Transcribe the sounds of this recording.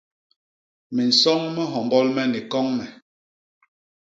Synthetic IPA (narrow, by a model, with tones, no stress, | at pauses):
mi˨n̩˨sɔ˦ŋmɛ˦ɦɔ˨mbɔ˦lmɛ˦ni˨kɔ˦ŋmɛ˨